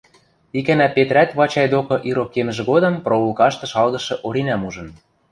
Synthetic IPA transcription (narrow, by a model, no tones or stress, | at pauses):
ikænæpet̪ɾæt̪βɑt͡ɕɑjd̪okɤ̆ʔiɾokːemɘ̆ʒĕɣod̪ɤ̆mproulkɑʃt̪ɤ̆ʃɑlɣɤ̆ʃɤ̆ʔoɾinæmuʒɤ̆n